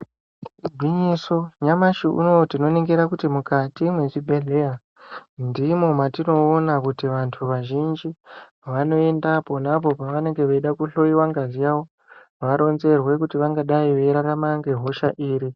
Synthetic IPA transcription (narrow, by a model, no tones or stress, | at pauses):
ɡʱwiɲiso̞ɲamaʃiṵnotino̞neŋɡeɾakutimukatimweʐibʱe̞ɮea | ndimo̞matino̞ːnakutiʋantʰuʋaʒind͡ʒi | ʋano̞e̞ndapo̞napo̞paʋane̞ŋɡe̞ʋeiɗakuɬo̞iwaŋɡazijaʋo̞ | ʋaɾo̞nze̞rwe̞kutiʋaŋɡaɗaiʋeɾaɾamaŋɡe̞ɦo̞ʃaʔiːɾi